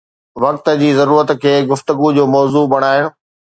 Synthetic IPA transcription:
ʋɐkt̪ə̆d͡ʑiːzɐɾuːɾət̪kʰeːɡʊft̪əɡud͡ʑoːmɔːzubɐɽ̃aːɪɽ̃ʊ

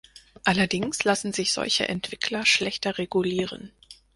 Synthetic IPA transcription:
ʔalɐdɪŋslasn̩zɪçz̥ɔ̰lçə̰ʔɛntv̥ɪkʰlɐʃlɛçtɐʁeɡuliːʁə̰n

